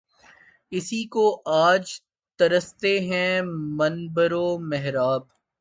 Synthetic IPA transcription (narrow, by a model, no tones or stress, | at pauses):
ɪsikoʔaːd͡ʒ | t̪ɐɾəst̪eɦɛ̃mɐnbəɾomɛɦɾaːb̚